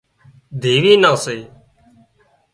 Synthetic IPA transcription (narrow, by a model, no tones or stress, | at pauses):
d̪ʱiːʋiːnãːseː